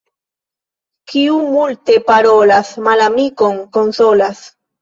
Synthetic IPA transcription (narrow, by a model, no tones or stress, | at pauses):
kiumult̪epaɾolasmalamikoŋkonsolas